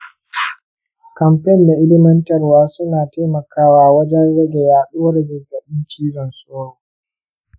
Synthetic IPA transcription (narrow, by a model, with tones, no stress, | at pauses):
kɐ˨mpɛ˦nda˨ʔɪ˦lɪ˦mɐ˦ntɐ˨rwaː˦sʊ˦naː˨ta˦jmɐ˨kaː˦waː˨wɐ˦d͡ʒɛ˦nɽɐ˦ɡʲe˨jaː˦ɗoː˦ɽɛ˨ɡɪ˨zɐ˨ɓɪ˦nt͡ʃiː˦zɔ˨nsʼoː˦ɽoː˨